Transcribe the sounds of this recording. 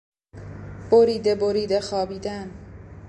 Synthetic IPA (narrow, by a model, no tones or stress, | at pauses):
b̥oɾiːd̪eboɾiːd̪exɒːbiːd̪æn